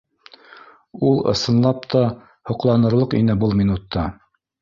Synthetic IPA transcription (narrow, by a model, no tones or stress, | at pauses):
ulˠɤ̰̆sɤ̆nlˠɑp̚t̪ʰɑ | hŏqlˠɑnɤ̆ɾlˠɤqḭnɘbɤlˠminut̪ːɑ